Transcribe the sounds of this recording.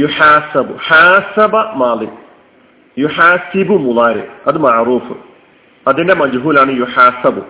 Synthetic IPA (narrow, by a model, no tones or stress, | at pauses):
juħaːsɐbuħaːsɐbɐmaːlḭ | juħaːsibumulaːɾḛɐd̪ɨmɐʕɾuːfɨ | ɐd̪inɖemɐd͡ʒɦuːlaːɳɨjuħaːsɐbu